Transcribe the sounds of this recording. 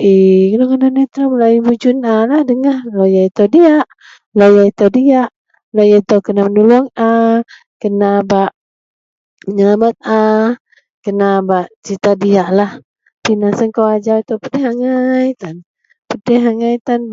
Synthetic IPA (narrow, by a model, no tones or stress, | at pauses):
ʔikənokənanit̪ɾaməlaibud͡ʒunalahdəŋahlojait̪odiaʔ | lojait̪awdiaʔ | lojait̪owkənamənulɔŋa | kənabaʔ | məɲəlamat̪̚a | kənabaʔt͡ʃit̪adiaʔlah | pinasəŋkowad͡ʒat̪awpədɛɦaŋajt̪an | pədɛɦaŋajt̪an